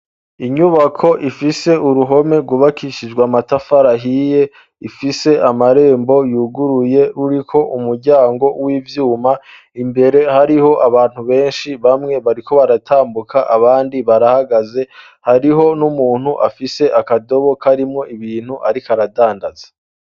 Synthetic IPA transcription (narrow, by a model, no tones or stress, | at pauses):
iɲuβakʰo̞ʔifise̞uɾuɦo̞me̞ɾɡuβakʰiʃid͡ʒɡwamatafaɾaɦije̞ | ifise̞ʔamaɾe̞ːmbo̞juːɡuɾuje̞ɾuɾikʰo̞ʔumuɾɟaːŋɡo̞wiːvjuːma | imbe̞ɾe̞haɾiho̞ʔaβaːn̥huβe̞ːnʃiβamŋe̞βaɾikʰo̞βaɾatʰaːmbukʰaʔaβaːndiβaɾahaɡaze̞ | haɾiɦo̞numuːn̥huʔafise̞ʔakado̞βo̞kʰaɾimŋo̞iβiːnhuʔaɾikaɾadaːndaz̥ḁ